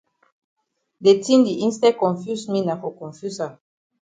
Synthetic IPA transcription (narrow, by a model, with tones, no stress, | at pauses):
de˨ti˦ndi˨ʔi˦nstɛ˦kɔ̃˨nfu˦smi˦na˨ko˨kɔ̃˨nfu˦sa˨